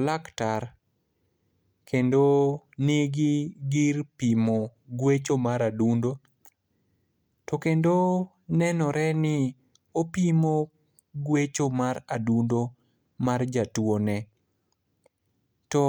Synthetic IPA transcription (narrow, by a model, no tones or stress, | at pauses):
laktar | kʰendoneɡɪɡɪrpimoɡwet͡ʃomaɾadundo | tɔkendo | nɛnɔɾʔɛnɪ | opimo | ɡwet͡ʃomaɾadundo | mard͡ʒatwonɛ | tɔ